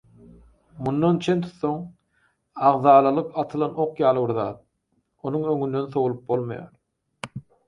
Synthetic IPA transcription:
mund̪ɑnt͡ʃʰe̞nt̪ʰu̥t̪θoŋ | ɑʁðɑːlˠɑlˠɯqɑt̪ʰɯlˠɑno̞qjɑːlˠɯbiɾðɑ̰ːt̪̚ | o̞nuŋøŋynd̪ø̞nθo̞wulˠup̚bo̞lˠmɑ̰jɑ̰ːɾ

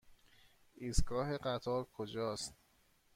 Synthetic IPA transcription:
ʔiːsɡɒːɦeɢæt̪ʰɒːɾkʰod͡ʒɒːst̪̚

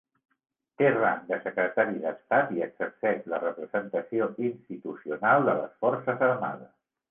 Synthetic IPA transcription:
t̪era̰nd̪əsəkɾət̪aɾiðəst̪at̪iəksəp̚t̪ɛʃlərəpɾəzənt̪əsioʔinst̪it̪usiunalˠd̪ələ̰sfɔɾsəzəɾma̰ðəs

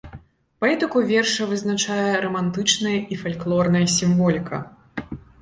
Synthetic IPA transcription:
paɛt̪ɨkuvʲɛrʂɐvɨznat͡ʂajɛɾɐmant̪ɨt͡ʂnɐjɐʔifalʲklˠɔrnɐjɐsʲimvɔlʲikʰɐ̰

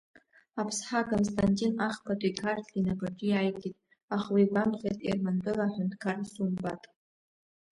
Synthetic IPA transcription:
apʰsħakʰʼonstʰʼanʲtʼinaχpʰatʼikʰartʰlinaɡaʈ͡ʂʲʼijajɡitʼ | aχwiɡʷamχʲejtʼḭrmanbɨlaħʷᶣʊntʰʼkʰarsumbatʼ

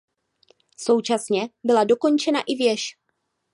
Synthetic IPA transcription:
so̞wt͡ʃasɲɛbɪlado̞ko̞nt͡ʃɛnaʔɪvjɛʃ

